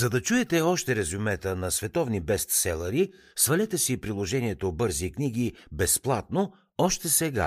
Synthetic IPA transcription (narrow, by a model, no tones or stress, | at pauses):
zɐd̪ɐt͡ʃuɛt̪ɛɔʃt̪ɛɾɛzumɛt̪ənɐsvɛt̪ɔvnibɛst̪sɛlˠɐɾi | svɐlʲɛt̪ɛsipɾilˠoʒɛniɛt̪obɤɾzikniɡ̟ibɛsplˠat̪̚no | ɔʃt̪ɛsɛɡa̰